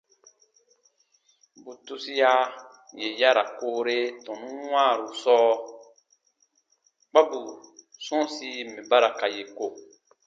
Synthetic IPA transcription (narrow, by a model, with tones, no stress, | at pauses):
bu˨tu˦si˦ja˦ | je˨ja˦ɾa̰˨ko˦ɾe˦tɔ̃˨nũ˦w̃ã˦˨ɾu˨sɔː˦ | k͡pa˦bu˨sɔ̃˦si˦mẽ˨ba˦ɾa˨ka˨je˨ko˦˨